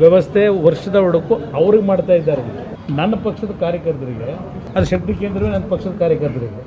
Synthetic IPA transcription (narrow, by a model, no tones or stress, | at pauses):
ʋjɛʋɐst̪ʰeʋɐɾʂɐd̪ɐɔɽɐkuɐʋɐɾiɡemaːɖt̪aːjid̪ːaːɾɐ | nɐnːɐpɐkʂɐd̪ɐkaːɾjɐkɐɾt̪ɐɾiɡe | ɐd̪ɐʃɐkt̪ikeːnd̪ɾɐʋeːnɐnːɐpɐkʂɐd̪ɐkaːɾjɐkɐɾt̪ɐɾiɡe